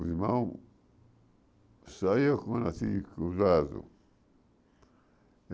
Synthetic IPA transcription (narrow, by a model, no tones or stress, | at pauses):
zimau | sajakuanasikuzazṵ